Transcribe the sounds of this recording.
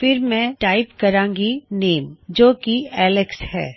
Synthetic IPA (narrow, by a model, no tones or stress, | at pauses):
fɪɾmɛ̃ʈaːɪpkɐɾãːŋɡineːmd͡ʒoːkiɛːlɪkshɛ̰ː